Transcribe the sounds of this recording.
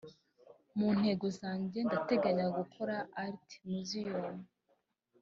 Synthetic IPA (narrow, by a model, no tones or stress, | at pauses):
mun̥he̞ɡosaːɲɟe̞ndate̞ɡaɲaɡukʰoɾaːɾti̥muzijomu